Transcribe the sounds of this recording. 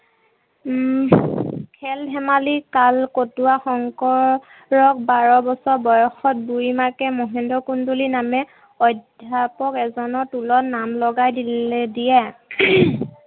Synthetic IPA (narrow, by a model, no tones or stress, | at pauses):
kʰɛlɦɛmalikalkotuaxɔŋkɔɹ | ɹɔk̚baɹɔbɔsɔɹbɔjɔxɔt̚buimakɛmɔɦɛndɔkundulinamɛ | ɔdʱjapɔkɛzɔnɔtulɔnamlɔɡajdilɛdijɛ